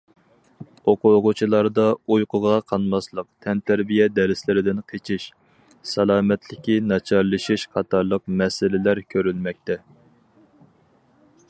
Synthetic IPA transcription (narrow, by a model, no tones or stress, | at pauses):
oqʰʊʁʊt͡ʃʰilˠɑɾd̪ɑujqʰʊʁɑqʰɑnmɑslˠəq̚t̪ʰɛnt̪ʰæɾbijɛd̪ɛɾɪslɪɾɪd̪ɪnqʰet͡ʃʰiʃ | sɛlˠɑːmɛt̪ʰlɪkʲinɑt͡ʃʰɑɾlˠɨʃiʃqʰɑt̪ʰɑɾlˠəq̚mɛsɪlɪlæɾkʲʰøɾylmɛk̚ʲt̪ʰɛ